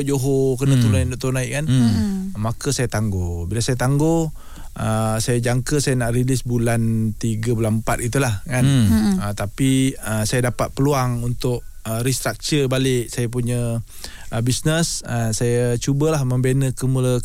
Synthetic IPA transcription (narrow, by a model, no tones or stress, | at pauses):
d͡ʒoɦokənət̪unajt̪unaɪʔkan | makəsajat̪aŋɡobiləsajat̪aŋɡo | ʔəsajad͡ʒaŋkəsajənaʔrilisbulant̪iɡəbulampat̪̚it̪ulahkanət̪apiəsajadapat̪̚pəluaŋunt̪ʊʔ̚əɾist̪ɾak̚t͡ʃəbalɪʔ̚sajap̬uɲəʔəbisnəsəsajat͡ʃubəlahməmbenəkəmulə